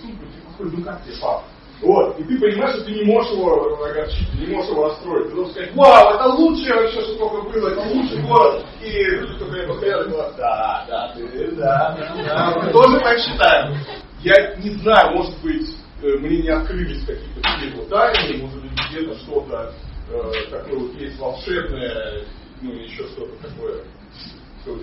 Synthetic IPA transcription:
suput̪ʲipɐxodʲɪt̪nukak̚t̪ʲepa̰ | vot̪it̪ɨpənʲɪmajɪʂt̪ot̪ɨnʲɪmo̞ʐɨʂɪvoɐɡɐrt͡ɕit̪̚ʲɨnʲɪmo̞ʐəʂɨɪvoɐst̪ɾo̞jɪt̚ʲt̪ɨd̪oʐəskɐzatʲvawɛt̪əlˠutʂɨjəɪɕːoʂot̪okəbɨlˠəɛt̪əlˠutʂɨɡolˠəs | iut̪ok̪ɐjapəskɐɾʲad̪əklˠad̪ad̪ad̪ad̪ad̪amɨt̪oʐɨp̪akɕːɪt̪ajɪm | janʲɪznajʊmo̞ʐɨt̪bɨtʲ | əmnʲenʲɪɐt̪kɾɨlʲɪsʲkɐkʲijət̪ət̪ʊkʲijvot̪̚d̪aj̪ʲɪmo̞ʐɨt̪̚bɨt̚ʲɡdʲet̪əʂt̪o̞t̪ə | t̪ɐko̞jəvot̪jesʲtʲvɐlˠʂɛbnəjə | nujɪɕːoʂt̪o̞t̪ə̥t̪ɐko̞jə | ʂt̪o

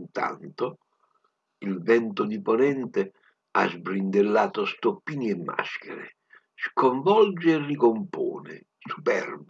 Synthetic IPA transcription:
nt̪a̰nt̪o | ilvɛnt̪ʊd̪iponɛnt̪e | a̰zbɾind̪elːaːt̪ost̪opːiːniɛmːa̰sk̟ḛɾḛ | skoɱvɔld͡ʒeːrːikompo̰ːnɪ̰ | su̥pɛrb

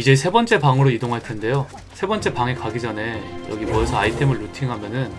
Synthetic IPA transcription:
id͡ʑe̞sʰebʌnt͡ɕ͈e̞paŋɯɾoidoŋɦaɭtʰe̞nde̞jo | sʰe̞bʌnt͡ɕ͈e̞paŋe̞kaɡid͡ʑʌne̞jʌ̰ɡimʌjʌsʰʌaitʰe̞mɯɭːutʰiŋɦamjʌnɯn

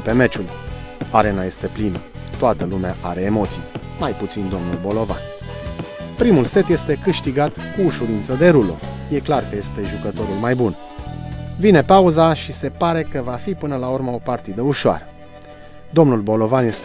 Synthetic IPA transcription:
pe̞me̞t͡ʃul | aɾe̞naje̞st̪e̞plinə | t̪oat̪əlumeaʔaɾe̞ːmo̞t̪sij | majput̪sind̪o̞mnulbo̞lo̞va̰n | pɾimulse̞t̪je̞st̪e̞kɨʃt̪iɡat̪kuːʃuɾint̪səd̪e̞ɾulo̰je̞klarkəje̞st̪e̞ʒukət̪o̞ɾulmajbun | vine̞pauzaʃise̞paɾe̞kəvafipɨnəlaurməo̞part̪id̪əuʃoa̰ɾə | d̪o̞mnulbo̞lo̞vanjes

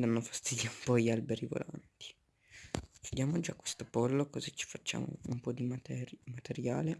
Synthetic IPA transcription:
d̪anːofḁst̪id̪jaumpɔialbeɾivo̰lʔa̰nt̪i̥ | kud̪jaːmod͡ʒakːwe̥st̪opolːokozit͡ʃi̥fat͡ʃːa̰ːmo̰umpɔd̪imt̪ɛmat̪eɾjaːle

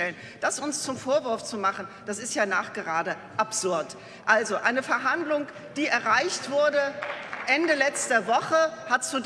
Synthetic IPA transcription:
ɛlən | d̥asʊnst͡sʊmfoːɐvʏɐft͡sumaχn̩d̥asɪstjaːnaːχɡ̥əʁaːdə | ʔapz̥ʊɐt | ʔalzoʔaɪnəfɛɐɦandlʊŋ | d̥iːɛɐʁaɪçtv̥ʊɐdəʔɛndəlɛt͡stɐvɔχəhatt͡sud

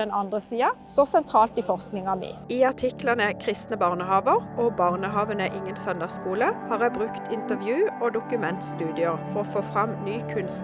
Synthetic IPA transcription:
ɛnɑnd̪ʁəsiːɑsɔsɛnt̪ʰɾɑːlt̪ɪfɔʁsknɪŋɑmḛiːɑʁt̪ʰɪklɑnəkʰʁɪst̪nəbɑʁnəhɑːʋəʁɔːbɑʁnəɦɑːʋənəəʔɪŋːənsœnd̪əʁskuːləhɑːʁæbʁʉkt̪ʰɪnt̪əʋjʉːoːd̪ʊkʉmɛnt̪st̪ʉːd̪ɪəʁfɔʁɔfoːfʁɑmnyːkʰʉnst̪

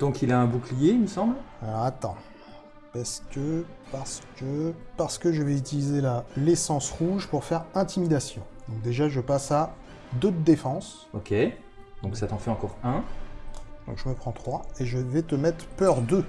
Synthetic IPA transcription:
d̪̥ɔ̃kilaɛ̃buklijeiməsɑ̃blaat̪ɑ̃ | paʁsə̥kə | paʁsə̥kəpaʁsə̥kəʒəvɛyt̪ilizelalesɑ̃sʁuʒpuʁfɛʁɛ̃t̪imid̪asjɔ̃d̪ɔ̃k̚d̪eʒaʒəpasa | d̪ot̪̚d̪efɑ̃s | ɔkʰʲe | d̪̥ɔ̃ksat̪ɑ̃fɛɑ̃kɔʁɛ̃ | d̪̥ɔ̰̃kʒəməpχɑ̃t̪χwaeʒəvɛt̪əmɛt̪χpœʁd̪ø

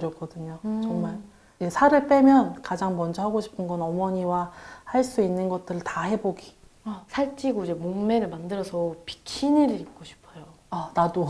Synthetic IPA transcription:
ɯɾjʌk͈ʌdɯɲot͡ɕʌŋmaɭ | esʰaɾɯɭp͈e̞mjʌnkad͡ʑaŋmʌnd͡ʑʌɦaɡoɕʰi̥pʰɯnɡʌnʌmʌɲiwahaɭs͈uinːɯnɡʌt̚t͈ɯɾɯɭtahe̞boɡi | sʰaɭt͡ɕ͈iɡoid͡ʑe̞moŋme̞ɾɯɭmandɯɾʌsʰʌpi̥kʰiniɾɯɾip̚k͈oɕʰi̥pʰʌjo | anado

